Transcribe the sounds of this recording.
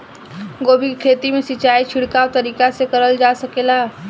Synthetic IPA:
ɡobʱikkʰet̪imesit͡ʃait͡ʃʰiɽkaʋt̪əɾikasekəɾəld͡ʒasəkela

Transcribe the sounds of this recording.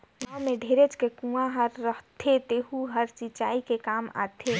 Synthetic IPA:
nɔmeɖʱeɾet͡ʃkekũãɦəɾːəɦt̪ʰet̪eɦuɦəɾt͡ʃit͡ʃaikekaːma̰t̪ʰe

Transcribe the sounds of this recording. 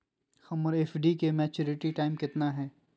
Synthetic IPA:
xɐmɔɾeːfɖikemɛːt͡ʃʊːɾɪʈiʈaːɪmkɪt̪naɦɛː

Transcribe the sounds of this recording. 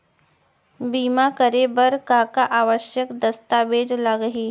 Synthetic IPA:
biːmakəɾebəɾkakaʔaːʋəʃjəkd̪ɐst̪aʋeːd͡ʒlaɡəɦiː

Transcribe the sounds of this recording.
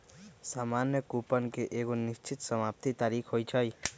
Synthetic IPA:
saːmanjəkupənkeʔeːɡonist͡ʃʰit̪səmap̚t̪it̪aːɾikʰɦojt͡ʃʰəj

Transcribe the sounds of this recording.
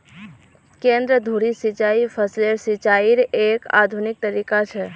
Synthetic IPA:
kẽnd̪ɾəd̪ʱuɽisɪt͡ʃaipʰəsleɾsɪt͡ʃaiɾeka̰d̪ʱunɪk̚t̪əɾikat͡ʃʰɛ

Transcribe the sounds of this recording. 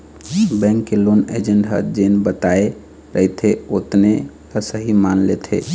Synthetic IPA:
bɛ̃ŋkːelonḛd͡ʒeɳɖɦə̰d͡ʒenbət̪ae | ɾəɦit̪ʰeot̪ne | kasəɦimanlet̪ʰḛ

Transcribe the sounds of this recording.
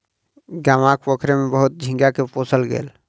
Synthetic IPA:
ɡamãkpəkʰɾemebəɦut̪̚d͡ʒʱĩŋɡjakeposəlɡḛːl

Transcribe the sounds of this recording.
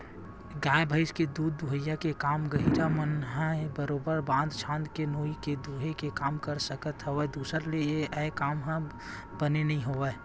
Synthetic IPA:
ɡãːẽbʱəɪsked̪uːd̪̚ːuɦəjːakekaːmɡəɦiɾamənɦãbəɾoːbəɾbãːnd̪t͡ʃʰãːnd̪kenoːiked̪uɦekekaːmkəɾsəkət̪ɦəʋeːd̪uːsəɾlejeʔəkaːmɦã | bənenəɦĩɦoʋe

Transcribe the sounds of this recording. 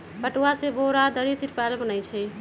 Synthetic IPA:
kəʈuaseboɾad̪əɾit̪iɾpalbənəjt͡ʃʰɛj

